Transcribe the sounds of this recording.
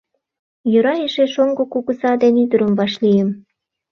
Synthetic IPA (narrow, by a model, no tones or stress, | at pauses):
jøɾɑeʃeʃoŋɡokukusɑd̪enyd̪əɾə̆mvɑʃlijem